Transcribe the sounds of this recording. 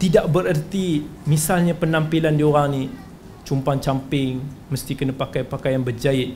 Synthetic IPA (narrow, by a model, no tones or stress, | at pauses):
t̪idaʔ̚bəɾərt̪imisalɲapənãmpilandioɾaŋni | t͡ʃumpaŋt͡ʃampɪŋməst̪ikənəpakajpakajanbərd͡ʒaɪt̪̚